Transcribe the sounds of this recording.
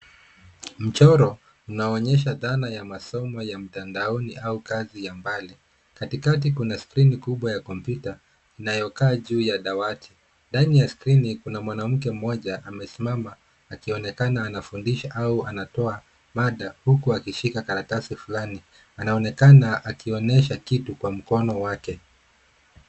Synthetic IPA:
m̩t͡ʃɔɾɔ | unaɔɲɛʃaðanajamasɔmɔjam̩tandaɔniʔaukazijambali | katikat̬ikunaskɾinikuɓwajakɔmpjuta | inajɔkaːʄuːjaɗawatʰi̥ | ndanijaskɾinikunamwanam̩kɛm̩mɔʄaʔamɛsimamaː | kiɔnɛkanaːnafundiʃaʔauanatɔa | maɗahukuakiʃikakaɾakasifulani | anaɔnɛkanaʔakiɔnɛʃakitukwam̩kɔnɔwakɛ

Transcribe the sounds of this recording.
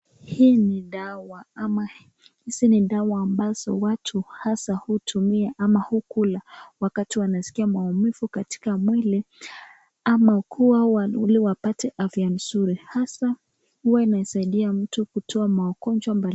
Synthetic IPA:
hiːniɗawama | hisiniɗawaːmbaz̥ɔwatʰuhasahutʰumiaʔamahukulawakatiwanasi̥kiamwaumifukati̥kamwɛlɛ | amakʰuawauliwapatɛʔafian̩suɾihasa | huwainaɛsaiɗiam̩tukutʰɔamaɔkɔnd͡ʒwambal

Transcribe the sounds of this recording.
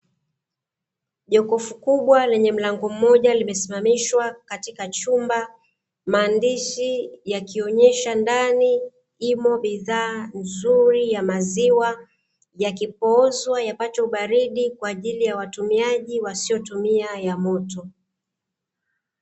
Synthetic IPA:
ʄɔkɔfukuɓwalɛɲɛm̩laŋɡɔm̩mɔʄalimɛsimamiʃwakatikat͡ʃumba | maːndiʃijakiɔɲɛʃandani | imɔɓiðaːnzuɾijamaziwa | jakipɔɔzwajapat͡ʃɔuɓaɾiɗikwaːʄilijawatumiaʄiwasiɔtumiajamɔtɔ

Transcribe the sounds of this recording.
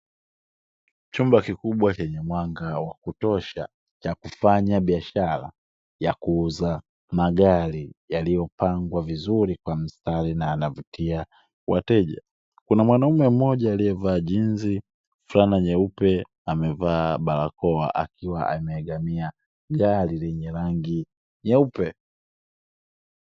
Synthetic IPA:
t͡ʃumbakikuɓwat͡ʃɛɲɛmwaŋɡawakutɔʃa̰ | t͡ʃakufaɲaɓiaʃaɾa̰ | jakuuza | maɡaɾijalijɔpaŋɡwavizuɾikwam̩staɾinaːnavutʰia | wa̰tɛʄa̰ | kunamwanaumɛm̩mɔʄaːlijɛvaːʄinzi | fulanaɲɛupɛ | amɛvaːɓalakɔa̰ʔa̰kiwaʔamɛːɡamia | ɡaɾilɛɲɛɾaŋɡi | ɲɛupɛ

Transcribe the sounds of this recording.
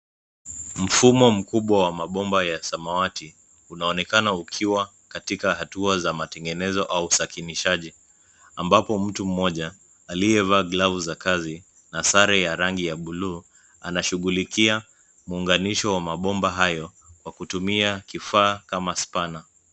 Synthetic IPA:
m̩fumɔm̩kuɓwawamaɓɔmbajasamawati | unaɔnɛkanaukʰiwa | katikaɦatuazamatɛŋɡɛnɛzɔʔausakiniʃaʄi | ambapɔm̩tum̩mːɔʄaː | lijɛvaɡlavuzakazi | nasaɾɛjaɾaŋɡijaɓuluː | anaʃuɠulikia | muːŋɡaniʃɔwamaɓɔmbaɦajɔ | kwakutumiakifaːkamaspana

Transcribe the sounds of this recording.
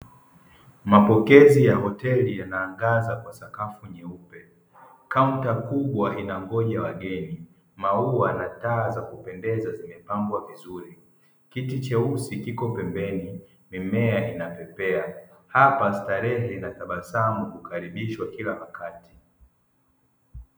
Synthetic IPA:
mapɔkɛzijaɦɔtɛlijanaːŋɡazakwasakafuɲɛupɛ | kauntakuɓwaʔinaŋɡɔʄawaɠɛni | mauanataːzakupɛndɛzazimɛpaŋɡwavizuɾi | kitit͡ʃɛusikikɔpɛmbɛni | mimɛainapɛpɛahapastaɾɛhɛinataɓasamukukaɾiɓiʃwakilawakati̥

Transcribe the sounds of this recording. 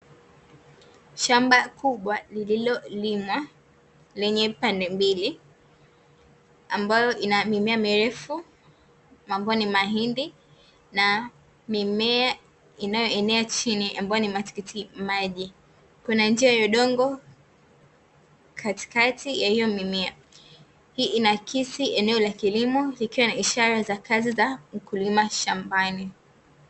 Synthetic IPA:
ʃambakuɓwalililɔlimwa | lɛɲɛpandɛmbili | ambajɔʔinamimɛamiɾɛfu | mambɔɔnimaɦindi | na | mimɛa | inajɔɛnɛat͡ʃiniʔambajɔnimati̥kitʰimaʄi | kunand͡ʒiajɔɗɔŋɡɔ | kʰati̥katʰijahijɔmimia | hiːʔinakʰisiʔɛnɛɔlakilimɔlikiwanaiʃaɾazakazizam̩kulimaʃambani

